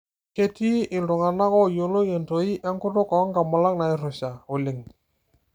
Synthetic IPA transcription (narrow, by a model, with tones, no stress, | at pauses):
ke˦ti˦ʔɪ˨ldʊ˨ŋa˨na˦kɔ˦˨jo˨lo˦je˨nto˨i˦ʔɛ˦ŋkʊ˦tʊ˦kɔ˨˦ŋka˨ma˨la˦k̚na˨ɪ˦rʊ˨ʃa˨o˨lɪ˨ŋ